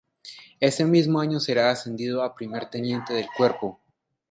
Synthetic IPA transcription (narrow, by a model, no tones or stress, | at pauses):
e̞se̞mizmo̞aɲo̞se̞ɾaːse̞nd̪iðoapɾime̞ɾt̪enje̞nt̪e̞ðe̞lkwe̞ɾpo̞